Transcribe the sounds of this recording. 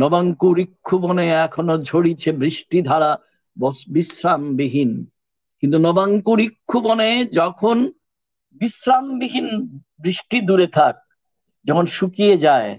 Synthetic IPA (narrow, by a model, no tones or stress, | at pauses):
nɔbaŋkuɾikʰːuboneɛkʰonod͡ʑʱoɽit͡ɕʰebɾiʃʈid̪ʱaɾa | bɔsbisɾambiɦin | kint̪unɔbaŋkuɾikʰːuboned͡ʑɔkʰon | bisɾambiɦin | bɾiʃʈid̪uɾet̪ʰak̚ | d͡ʑɔkʰonʃukied͡ʑae